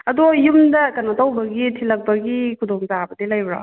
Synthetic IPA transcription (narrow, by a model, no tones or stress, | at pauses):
ɐdojumdɐkɐnatawbɐɡitʰilɐk̚bɐɡikʰudoŋzabɐdilɐjbɾɔ̰